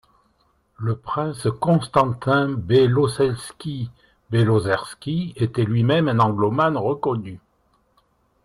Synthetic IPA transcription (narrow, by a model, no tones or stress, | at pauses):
ləpχɛ̃skɔ̃st̪ɑ̃t̪ɛ̃belosɛlskʲi | belozɛʁskʲiet̪ɛlɥimɛmɛ̃nɑ̃ɡlɔmanʁəkɔny